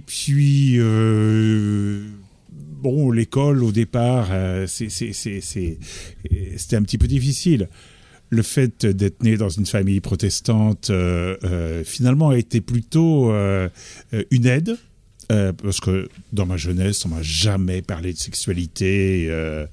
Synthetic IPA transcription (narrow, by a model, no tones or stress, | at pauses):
epɥiø | bɔ̃lekɔlod̪epaʁəsɛsɛsɛsɛ | se̥t̪ɛɛ̃pət̪ipød̪ifisil | ləfɛt̪d̪ɛt̪χəned̪ɑ̃zynfamijpχɔt̪ɛst̪ɑ̃t̪øøfinalmɑ̃aet̪eplyt̪oø | ynɛd̪ | øpaʁsə̥kəd̪ɑ̃maʒənɛsɔ̃maʒamɛpaʁled̪əsɛksɥalit̪ʰeø